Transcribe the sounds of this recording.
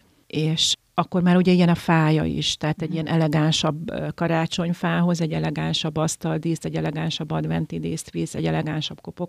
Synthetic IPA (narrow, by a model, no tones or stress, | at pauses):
eːʃ | ɒkːo̞rmaːɾuɟɛijɛnɒfaːjɒ̰ḭʃt̪ɛɦːt̪ɛɟːijɛnʔɛlɛɡaːnʃɒbkɒɾaːt͡ʃo̞ɲfaːɦo̞zɛɟːɛlɛɡaːnʃɒbːɒst̪ɒld̪iːst̪ɛɟːɛlɛɡaːnʃɒbːɒd̪ʋɛnt̪id̪eːst̪ʋiːsɛ̰ɟɛlɛɡaːnʃɒb̥ko̞po̞k